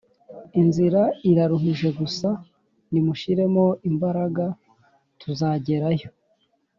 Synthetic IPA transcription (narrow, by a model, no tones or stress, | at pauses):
inziɾaiɾaɾuɦuʒe̞ɡusa | nimuʃiɾe̞mo̞imbaɾaɡa | tʰuzaːɟe̞ɾajo̞̥